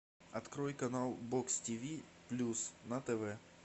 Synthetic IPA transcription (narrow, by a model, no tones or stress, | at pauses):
ɐt̪kɾojkɐnalˠbokstʲivʲiplʲusnɐt̪ɛvɛ